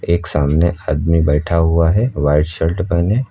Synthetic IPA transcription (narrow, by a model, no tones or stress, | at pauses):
eːksaːmneʔaːd̪mibɛːʈʰaɦʊaɦɛʋaːɪɖʃəlʈbəne